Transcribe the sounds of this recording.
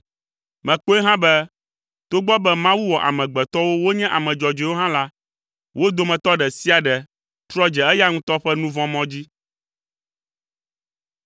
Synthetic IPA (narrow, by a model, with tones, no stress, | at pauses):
mɛ̃˨k͡po˦ɛ˦ɦã˦bɛ˦ | t̪o˦ɡ͡bɔ˦bɛ˦mã˦wu˦wɔ˨ʔa̰˨mɛ̃˨ɡ͡bɛ˨t̪ɔ˦wo˦wo˦ɲɛ̃˦ʔa˨mɛ̃˨d͡ʒɔ˨d͡ʒe˨wo˦ɦã˦la˦ | wʔo˦d̪o˦mɛ̃˨t̪ɔ˦ɖɛ˨si˦a˨ɖɛ˨ | t̪ɾɔ˦d͡ʒɛ˨ɛ˦ja˦ŋũ˦t̪ɔ˦ɸɛ˦nũ˦vɔ̃˦mɔ̃˦d͡ʑi˦